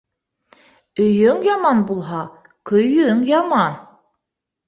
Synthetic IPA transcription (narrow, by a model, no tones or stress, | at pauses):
ɵjɵŋjɑmɑnbulˠɦɑ | kʰɵjɵŋjɑmɑn